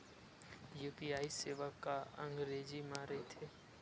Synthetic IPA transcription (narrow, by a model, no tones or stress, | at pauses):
juːpiːaːiseːʋəkːaə̃ŋɡɾeːzimãːɾəet̪ʰeː